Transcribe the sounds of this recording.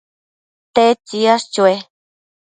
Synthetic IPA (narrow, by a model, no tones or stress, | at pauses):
t̪et͡ʃiast͡ʃue